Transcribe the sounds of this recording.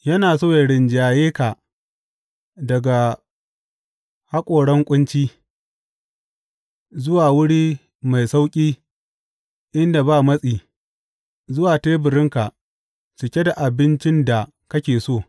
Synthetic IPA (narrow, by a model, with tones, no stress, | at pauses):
jɐ˦naː˨soː˦je˨ɽɪ˨nd͡ʒaː˨jeː˦ka˨ | dɐ˨ɡa˨ | ha˦kʷʼoː˨ɽɐ˦ŋkʷʼʊ˦nt͡ʃiː˦ | zʊ˦waː˨wʊ˦ɽiː˦ | ma˨jsa˦wkʲʼiː˦ | ʔɪ˦nda˨baː˦˨mɐ˦sʼiː˨ | zʊ˦waː˨teː˦bɪ˨ɾɪ˦ŋka˨ʔ | t͡ʃɪ˨kʲe˦da˨ʔa˨bɪ˦nt͡ʃɪ˦nda˨ | kɐ˦kʲeː˨soː˦˨